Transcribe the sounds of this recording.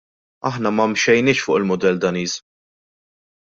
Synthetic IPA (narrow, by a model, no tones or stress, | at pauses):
ɐħnɐmɐmʃɛjnɪːʃfʊːʔɪlmʊd̪ɛld̪ɐniːz